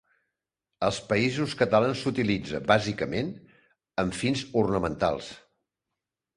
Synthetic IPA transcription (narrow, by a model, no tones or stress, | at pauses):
əlˠspəizuskət̪əlansut̪ilid͡zəbazikəmen | əmfinzurnəmənt̪a̰lˠs